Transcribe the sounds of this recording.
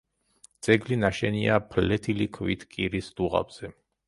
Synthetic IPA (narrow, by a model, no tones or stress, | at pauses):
d̪z̥ʼɛɡlinaʃɛniapʰlɛt̪ʰilikʰvit̪ʰkʼiɾisd̪̥uʁa̰bz̥ɛ